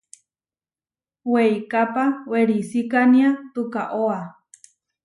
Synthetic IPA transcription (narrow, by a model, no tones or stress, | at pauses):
weikapaweɾisikaniat̪ukaʔoa